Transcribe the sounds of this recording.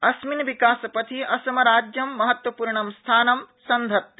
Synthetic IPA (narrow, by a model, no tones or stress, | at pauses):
ɐsminʋikaːsɐpɐt̪ʰiʔɐsɐmɐɾaːd͡ʒjɐmːɐɦɐt̪wɐpuːɾɳɐmst̪ʰaːnɐmsɐnd̪ʱɐt̪̚